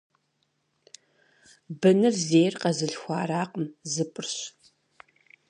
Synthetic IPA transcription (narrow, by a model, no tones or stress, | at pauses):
bɨnɨrzeːjrqɐzɨɬxʷaːɾaːqəmzɨpʼɨrɕ